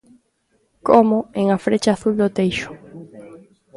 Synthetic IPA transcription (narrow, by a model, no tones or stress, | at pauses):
komʊeŋafɾet͡ʃaːθuld̪ot̪ejʃʊ̥